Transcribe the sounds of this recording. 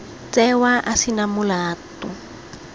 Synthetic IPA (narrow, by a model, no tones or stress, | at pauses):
t͡sɛwaʔasinamulaːtɔ